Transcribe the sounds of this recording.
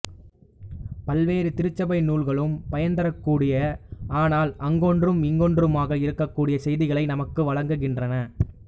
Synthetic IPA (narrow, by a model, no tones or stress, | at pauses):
pɐlʋeːɾɯt̪ɪɾɯt͡ʃːɐbɐɪnuːɭɣɐɭɯmpɐjɐnd̪ɐɾɐkːuːɽɪjɐaːnaːlɐŋɡoːndrɯmɪŋɡoːndrɯmaːɣɐɪɾɯkːɐkːuːɽɪjɐsɛjðɪɣɐɭɐɪnɐmɐkːɯʋɐɻɐŋɡɯɣɪndrɐnɐ